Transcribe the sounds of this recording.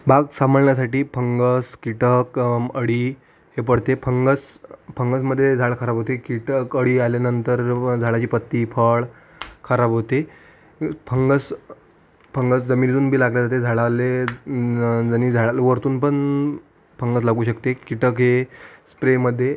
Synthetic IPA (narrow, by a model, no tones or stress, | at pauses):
baɡsaməɭɳjasaʈiːpʰəŋɡəskiʈəkəɽiː | ɦep̬əɽ̤t̪epʰəŋɡəspʰəŋɡəsməd̪ʱːjed͡zʱaɭkʰəɾabʱɦot̪ekiʈəkəɽialjanənt̪əɾd͡zʱaɭat͡ɕiːpət̪ːiːpʰəɭ | kʰəɾabɦot̪e | pʰəŋɡəs | pʰəŋɡəsd͡zəmiːnit̪uːnbʱiːlaɡljad͡zat̪ed͡zʱaɭale | d͡zəñid͡zʱaɭalʋəɾt̪uːnpəɳ | pʰəŋɡəs̬laɡuːɕəkt̪ekiʈəkɦespɾeməd̪ʱːje